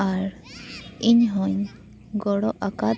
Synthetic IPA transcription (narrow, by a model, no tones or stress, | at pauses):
aɾ | iɲɦɔɲ | ɡɔɽɔʔaka